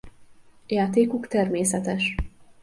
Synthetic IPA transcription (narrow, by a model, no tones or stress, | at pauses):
jaːt̪eːkukt̪ɛrmeːsɛt̪ɛʃ